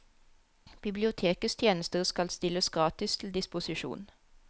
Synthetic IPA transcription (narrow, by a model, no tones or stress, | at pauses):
b̥ɪblɪʊt̪ʰeːkəst̪ʰjeːnəst̪əʁskɑlst̪ɪləsɡʁɑːt̪ɪst̪ʰl̩d̪ɪspʊsɪʃṵːn